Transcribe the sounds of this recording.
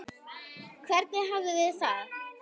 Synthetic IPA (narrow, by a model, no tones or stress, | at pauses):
kʰvɛɾt̪nɪɦavðʏðɪðθa